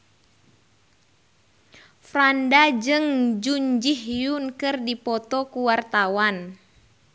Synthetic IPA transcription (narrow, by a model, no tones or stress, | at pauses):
fɾandad͡ʒɨŋd͡ʒuɲd͡ʒihjunkɨrdipɔt̪ɔkuwart̪awan